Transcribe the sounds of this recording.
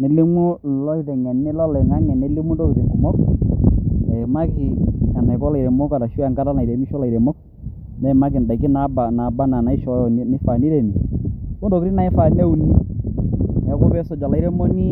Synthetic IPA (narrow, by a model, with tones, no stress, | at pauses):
ne˨lɪ˦mo˦lɔ˦i˨ðɛ˨ŋɛ˨nɪ˦lɔ˦lɛ˨ŋa˦ŋɛ˨ne˨˦lɪ˦mu˦do˦ki˨ðe˨ŋɔ˨mɔ˦k | nɛ˨ma˦ki˨a˨na˨kɔ˦la˨i˨ɾɛ˨mo˦ka˨la˨ʃu˦a˨ŋɡa˦ta˦na˨i˨ɾe˨mi˦ʃɔ˦la˨i˨ɾe˨mɔ˦k̚ | nɛ˨˦˨ma˦k̬ɪ˨nda˨ki˦na˨˦ba˨na˨ba˦na˨na˨˦i˦ʃɔ˨˦˨n˨nɪ˦fa˨ni˦ɾe˨ni˨ko˦n˦do˨ki˦ɾi˦na˨ɛ˦fa˨ne˦u˦ni˦ | ɛ˨˦kɔ˦pɛ˦sɔ˨d͡ʒa˨la˨i˦ɾe˦mo˦ni˦